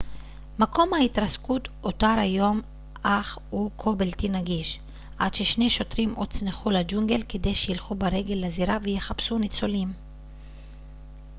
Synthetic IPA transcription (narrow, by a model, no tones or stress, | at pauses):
mako̞mhaitʁaskutotaɾajo̞m | ʔaχukʰo̞beltinaɡiʃ | ʔa̰d̥̪ʃeʃne̞ʃo̞tʁimʔod̚t͡sneχulad͡ʒuŋɡe̞lke̞d̪e̞jʃejilχubeʁe̞ɡe̞lːaziɾavejeχapsunit͡solim